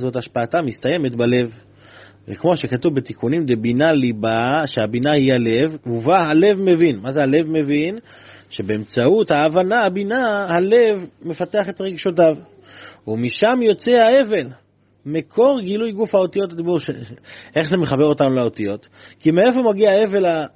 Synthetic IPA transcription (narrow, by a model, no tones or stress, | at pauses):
zo̞t̪aʃpaːtamist̪aje̞me̞tbale̞v | vekmo̞ʃe̞katuvbet̪ikunimd̪ebinalibaʃeabinahiale̞vuvaɦale̞vme̞vinmazeale̞vme̞vin | ʃe̞be̞emt͡sauthaːvanahabinahale̞vme̞fat̪eaχe̞t̪ʁeɡʃot̬av | umiʃamjo̞t͡seae̞ve̞l | mekʰo̞ʁɡilujɡufhao̞t̪ijo̞t̪adibuʁʃee̞χzemeχabe̞ʁo̞t̪anulao̞t̪ijo̞t̪ | kimeefeʁmaɡiae̞ve̞la